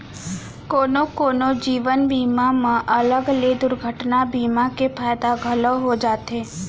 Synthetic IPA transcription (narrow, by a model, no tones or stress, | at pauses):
koːnokoːnod͡ʒiːʋənbiːmamãʔələɡled̪ʊɾɡʱəʈnabimakepʰaːjd̪aɡʱəloɦod͡ʒaːt̪eː